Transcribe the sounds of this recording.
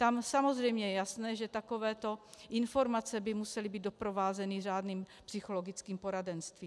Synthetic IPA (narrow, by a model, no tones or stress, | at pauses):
t̪amsamozrɛjmɲɛjɛjasnɛːʒɛt̪ako̞vɛːt̪o̞ʔɪnfo̞ɾmat͡sɛbɪmusɛlibiːd̪̚do̞pɾo̞vaːzɛnɪr̝aːdniːmpsɪxolo̞ɡɪt͡skiːmpo̞ɾadɛnst̪viː